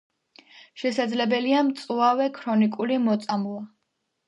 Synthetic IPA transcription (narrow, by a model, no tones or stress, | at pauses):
ʃɛsad̪zlɛbɛliamt̪sʼvawɛkʰɾɔnikʼulimɔt̪sʼamlˠa